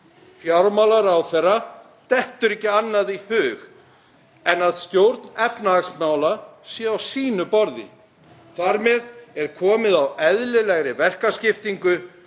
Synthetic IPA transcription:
fjawlmawlaɾawθɛrːa | t̪ɛht̪ʏɾɪhcːɪanːaðihʏːɣ | ɛnaðst̪jowɾt̪nɛpnaaksmaːwlasjɛawsiːnʏpɔɾðɪ̰ | θaɾmɛðɛɾ̥kʰɔːmɪðawɛðlɪlɛɣɾɪvɛr̥kascɪft̪iŋkʏ

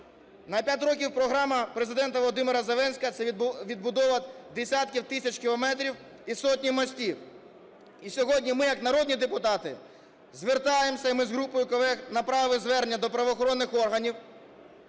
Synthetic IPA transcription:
nɐpʲjat̬ʲɾɔk̬ʲiwpɾɔɦɾɑmɐpɾezɪd̪ɛnt̪ɐʋɔlˠɔd̪ɪmɪɾɐzelˠɛnsʲkɐt̪sɛʋʲid̪̚bʊd̪ɔʋɐd̪esʲat̪̚kʲiwt̪ɪsʲɐt͡ʃkʲɪlˠɔmɛt̪ɾʲiw | isɔtʲnʲimɔsʲtʲiw | isʲɔɦɔdʲnʲimɪjɐknɐɾɔd̪ʲnʲid̪epʊt̪ɑt̪ɪ | zʋert̪ɑjemsʲɐimɪzɦɾupɔjʊkɔlˠɛxnɐpɾɑʋɪzʋɛrnʲːɐd̪ɔpɾɐʋɔxɔɾɔnːɪxɔrɦɐnʲiw

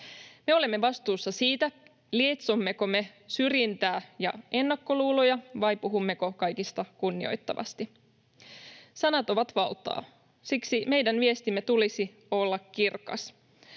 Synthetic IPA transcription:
me̞o̞lemːeʋɑst̪uːsːɑsiːt̪æ | liet̪somːe̞ko̞me̞syrjint̪æːjɑ̰e̞nːɑkːo̞luːlojɑʋɑjpuɦumːe̞ko̞kɑjkist̪ɑkunːio̞̰jt̪ːɑ̰ʋɑ̰st̪i | sɑnɑt̪o̞ʋɑt̪ʋɑlt̪ɑ̰ː | siksime̞jdænʋie̞st̪imːe̞t̪ulisi | o̞lːɑkːirkɑ̰s

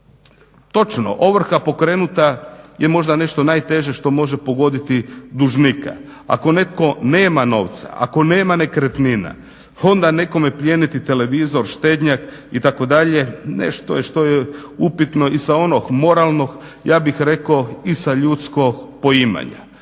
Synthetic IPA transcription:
t̪o̞t͡ʃno̰ʔoʋr̩xapo̞kɾeːnut̪ajemo̞ʒd̪ane̞ʃt̪o̞naːjt̪e̞ʒe̞ʃt̪o̞mo̞ʒe̞po̞ɡo̞d̪it̪id̪uʒnika̰ | a̰ko̞ne̞t̪ko̞neːmano̞̰ʋt̪sa̰a̰ko̞neːmane̞kɾet̪nina̰ | o̞nd̪ane̞ko̞me̞pʎʲenit̪it̪e̞le̞ʋizo̞ɾʃt̪e̞ːd̪ɲak | it̪ako̞d̪aʎe̞nḛʃt̪o̞̰jeʃt̪o̞jeupit̪no̞isao̞no̞xmo̞ɾalˠno̞x | jaːbixɾe̞koisaʎut̪sko̞kpo̞ima̰ɲa̰

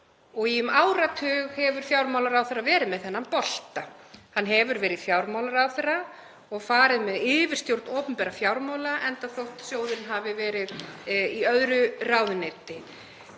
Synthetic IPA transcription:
ɔɣiʏmaːwɾat̪ʰʏːɣhɛvʏɾ̥fjawɾmawlaɾawθɛrːavɛːɾɪðmɛðθɛnːampɔl̥t̪ahanːɦɛvʏɾvɛːɾɪðfjawɾmaːwlaɾawθɛra | ɔɣfaːɾɪðmɛðɪːvɪr̥st̪jowɾ̥t̪nɔːpʏmpɛɾafjawɾmawlaʔɛnt̪aθowht̪sjoːwðɪnɦavɪvɛːɾɪðiœðɾʏraːwðʏneːt̪ɪ

